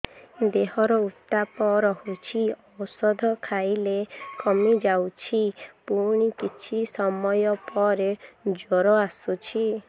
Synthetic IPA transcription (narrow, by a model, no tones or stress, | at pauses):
d̪eɦɔɾɔut̪ːapɔɾɔhut͡ʃʰiɔwsɔd̪ʱɔkʰajlekɔmid͡ʒawt͡ʃʰipuɽ̃ikit͡ʃʰisɔmɔjɔpɔɾed͡ʒɔɾɔasut͡ʃʰi